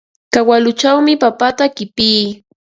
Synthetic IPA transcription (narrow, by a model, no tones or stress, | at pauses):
kawalʊt͡ʃawmɪpapat̪akɪpiː